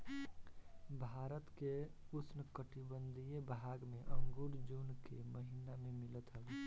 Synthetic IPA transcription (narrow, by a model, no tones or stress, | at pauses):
bʱaːɾət̪ke | usnəkəʈibənd̪ʱijebɦaːɡmẽʔəŋɡoɽd͡ʒoːnkeməɦinamẽmɪlət̪ɦəl